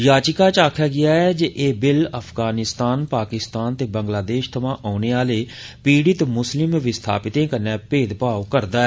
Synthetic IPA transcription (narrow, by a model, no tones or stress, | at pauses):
jaːt͡ʃɪkaːt͡ʃaːkʰjaːɡɪaːɛːd͡ʒeʔeːbɪləpʰɡaːnɪst̪aːnpaːkɪst̪aːnt̪eːbəŋɡlaːd̪eːʃt̪ʰəʋãːʔɔːneːaːleː | piːɽɪt̪mʊslɪmʋɪst̪ʰa̰ːpɪt̪ẽːkənːɛ̃ːpeːd̪paːokəɾd̪aːɛː